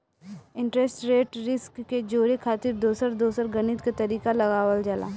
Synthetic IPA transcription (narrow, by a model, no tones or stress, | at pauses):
ɪ̃ɳʈɾɛsʈɾeːʈɾɪskːed͡ʒoːɾekʰaːt̪ɪɾd̪oːsəɾd̪oːsəɾɡɐñɪt̪kat̪ɐɾiːkalɐɡaːwəld͡ʒaːla̰ː